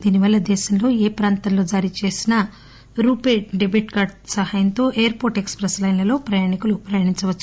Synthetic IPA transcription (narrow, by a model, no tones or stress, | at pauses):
d̪iːniʋɐlːɐd̪ɛːʃɐmlo̞ːeːpɾaːnt̪ɐmlo̞ːd͡ʒaːɾit͡ʃe̞ːsinɐ | ɾuːpeːɖebiʈkaːɾɖsɐɦajɐnt̪o̞ːʔejɐɾpo̞ːɾʈekspɾɐslɐjnɐlo̞ːpɾɐjaːɳikulupɾɐjaːɳiɲt͡ʃɐʋɐt͡ʃː